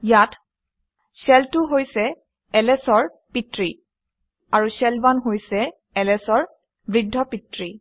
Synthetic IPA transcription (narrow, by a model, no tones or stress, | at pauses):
jat | sɛltʊɦojsɛ | ɛlɛsɔɹ | pitɹi | aɹusɛlbanɦojsɛ | ɛlɛsɔɹ | bɹidʱːɔpitɹi